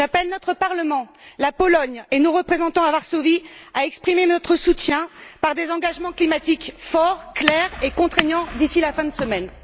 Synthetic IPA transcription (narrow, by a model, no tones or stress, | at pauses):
ʒapɛlnɔt̪χəpaʁləmɑ̃lapɔlɔɲenoʁəpχezɑ̃t̪ɑ̃avaʁsoviaɛkspχimenɔt̪χəsut̪jɛ̃paʁd̪ezɑ̃ɡaʒmɑ̃klimat̪ikfɔʁklɛʁekɔ̃t̪χeɲɑ̃d̪isilafɛ̃d̪əsəmɛn